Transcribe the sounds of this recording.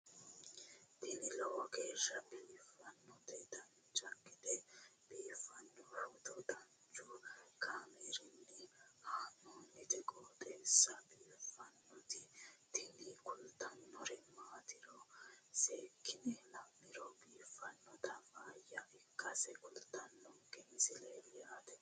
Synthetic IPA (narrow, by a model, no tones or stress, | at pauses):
t̪ɪnɪlɔwɐɡeːʃːɐbiːfɐnːɔt̪ɛt̪ɐn | t͡ʃʼɐkʼːɪd̪ɛb̥iːfɐnːɔhɔt̪ɔd̪ɐn | t͡ʃʼʊkʰaːmɛɾɪnːɪhaːnːoːnːɪt̪ɛkʼoːt̪ʼɛsːɐbiːfɐnːɔt̪ɪt̪ʰɪnikʊlt̪ːɐnːɔɾɛmaːt̪ɪɾɔseːkːɪnɛlɐmːɪɾɔbiːfːɐnːɔt̪ɐmaːjɐʔɪkːɐsɛkʼʊlt̪ːɐnːɔɡɛnsɪleːlɪjat̪ɛ